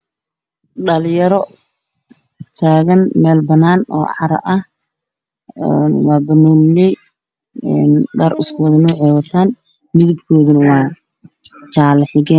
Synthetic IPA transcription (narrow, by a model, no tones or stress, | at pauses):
ɖɐljɐɾɔ | t̪ʰaːɣɐnmɛːlbɐnaːnɔ̰ːʕɑɾɐ̰ʔɐh | nwɑːbɐnɔːlɪjɛj | ɛːnɡaːɾɪskʰɔːðɐnɔːʕɛːwɐt̪ʰaːn | mɪðɪbkʰɔːðɐnɐwɑː | t͡ʃaːlɐħɪɣɛː